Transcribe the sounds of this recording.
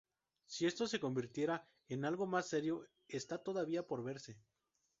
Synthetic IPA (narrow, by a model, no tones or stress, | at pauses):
sie̞st̪o̞se̞ko̞mbiɾt̪je̞ɾa | enalɣo̞masːe̞ɾjo̞ | est̪at̪o̞ðaβiapo̞ɾβe̞ɾse̞